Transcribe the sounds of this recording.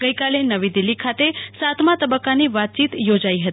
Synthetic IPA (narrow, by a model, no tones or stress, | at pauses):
ɡəjkalenəʋid̪ɪlːikʰat̪esat̪ʰmãt̪əbəkːaniʋat̪̚t͡ʃit̪jod͡ʒaiɦət̪i